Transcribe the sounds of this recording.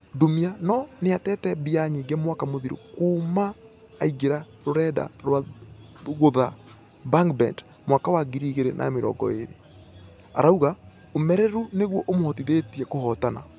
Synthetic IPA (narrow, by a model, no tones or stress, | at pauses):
domianɔneatɛtɛbiaɲiːɡɛmwakamoðiɾo̰kuːmaː | iɡeɾa | ɾoɾɛda̰ɾwa | ɣoða | baŋkbɛ̰nd | mwakawaɡiɾiɣeɾenʔa̰meɾɔ̰ŋɡɔ̰ḛɾḛ | a̰ɾauɣa | omɛɾɛɾuneɣwɔʔomohɔtiðetiɛkohɔtana̰